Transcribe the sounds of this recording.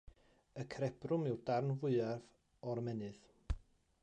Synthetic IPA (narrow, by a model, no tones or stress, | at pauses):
əkʰɾɛb̥rʊmɪwdarnvʊɨarv | ɔɾmɛnɨð